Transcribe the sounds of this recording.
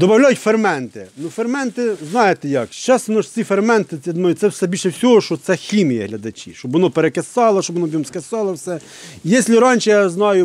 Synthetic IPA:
d̪ɔbɐwlʲɑjʊtʲfermɛnt̪ɪnʊfermɛnt̪ɪznɑjet̪ɛjɐkʃt͡ʃɛsnɔʃt͡s̪ʲifermɛnt̪ɪid̪nɔsɛwsɛbʲilʲʃɛwsʲɔɦɔʃɔt̪sɛxʲimʲijɐɦlʲɐd̪ɐt͡ʃʲḭʃt͡ʃɔbʋɔnɔpeɾekesɑlˠɐʃɔbʋɔnɔbʲimskesɑlˠɐwsɛ | ijɛsʲlʲɪɾɑnʲt͡ʃɪjɑznɑjʊ

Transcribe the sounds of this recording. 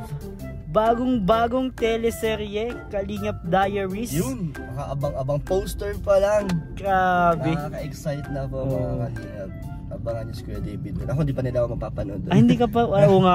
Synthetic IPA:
baːɡoŋbaːɡoŋt̪ɛlɛsɛɾɛkɐliːŋɐp̚d̪aːjɐɹisjʊnbakaʔɐbaŋɐbɐŋpowst̪ɛɹpɐlɐŋɡ̥ɾaːbɛakɐʔɛksajt̪̚nɐbɐaakɐliŋɐp̚ | ʔɐbɐŋɐnɪskwɛd̪ejbid̪o̰nɐkond̪iːpɐnɪlaomɐɡ̚papɐnod̪ohɪnd̪iːkɐpɐɐʔoːŋa

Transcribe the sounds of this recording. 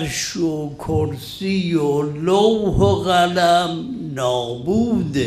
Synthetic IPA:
ɾʃokʰoɾsijolowhoɣælæm | nɔːbuːd̪

